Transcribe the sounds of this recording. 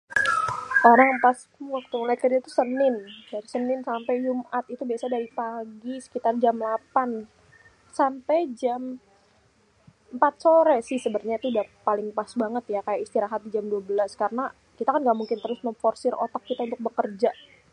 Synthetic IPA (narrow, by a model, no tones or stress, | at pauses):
kaɾaŋmpas | wak̚t̪uulajkərd͡ʒat̪usənɪndaɾisənɪnsampɛjd͡ʒumat̪it̪ubiasadaɾipaɡisə̥kit̪ard͡ʒamlapan | sampɛjd͡ʒam | əmpat̪̚soɾɛsɪhsəbərɲait̪udapalɪŋpasbaŋət̪jakajaist̪iɾaɦat̪̚did͡ʒamduabəlaskaɾəna | kit̪akanɡaʔmuŋkɪnt̪əɾʊsməɱfɔrsɪro̰t̪ɔkːit̪aunt̪ʊk̚bəkərd͡ʒa